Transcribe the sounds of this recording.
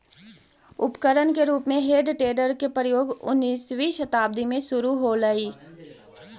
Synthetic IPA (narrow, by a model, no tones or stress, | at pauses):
ʊpkəɾənkeɾuːpmẽɦeːɖʈeːɖəɾkepɾəjoːɡʊ̰nːiːswiʃɐt̪aːb̚d̪imẽʃʊɾuɦoləiː